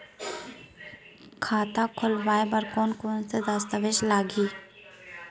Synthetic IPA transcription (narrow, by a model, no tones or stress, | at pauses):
kʰaːt̪akʰʊlʋaːebɐɾkɔːnkoːnsed̪aːst̪əʋeːʃlaːɡiː